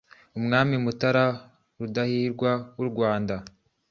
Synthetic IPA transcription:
umŋaːmimutaɾa | ɾudahiːɾɡwawuɾɡwaːnda

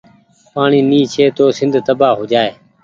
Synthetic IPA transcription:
paːɳiːniːt͡ʃʰeːt̪oːsɪnd̪ʱt̪əbaːɦoːd͡ʒaːeː

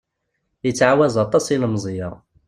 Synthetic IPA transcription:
jət͡sːʕawæzˤɑt̪ˤɑsilmzˤjɑ

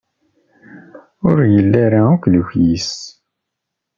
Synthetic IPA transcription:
ʊɾjəlːaɾaukluçjis

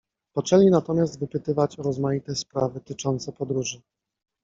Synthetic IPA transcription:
pɔt͡ʂɛlʲinat̪ɔmʲjast̪vɘpɘt̪ɘvat͡ɕɔɾɔzmajit̪ɛspɾavɘt̪ɘt͡ʂɔnt̪sɛpɔd̪ɾuʐɘ

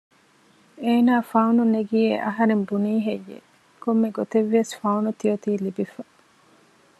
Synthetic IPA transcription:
eːnaːfɐununeɡijeʔɐɦɐɾembuniːɦejːḛ | komːeɡot̪eʋːesfɐunut̪iot̪iːlibifɐ

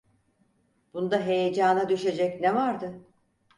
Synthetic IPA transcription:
b̥und̪aɦe̞jed͡ʒaːnad̪yʃe̞d͡ʒɛcnevaɾd̪ɯ

